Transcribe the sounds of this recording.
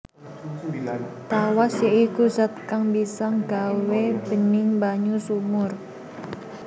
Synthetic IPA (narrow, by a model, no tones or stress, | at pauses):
t̪awasjaikusat̪̚kaŋbisaŋɡ̥a̤web̥ə̤nɪŋbaɲusumʊr